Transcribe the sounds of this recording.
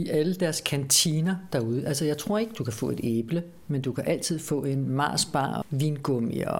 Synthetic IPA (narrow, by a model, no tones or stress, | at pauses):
iʔæləd̥æɐskʰænt͡sʰiːnɐd̥ɑ̈uð̞ˠəʔælsəjɑ̈ɪt͡sʰʁo̝ɐ̰e̝ɡ̥əd̥ukʰæfɔ̰̽ːe̝d̥eːb̥lə | mend̥ukʰæʔæl̰t͡sʰið̞̰ˠfɔ̰̽ːe̝nmɑ̰̈ːsb̥ɑ̰̈ːʋiːnɡ̥ɔmiɐ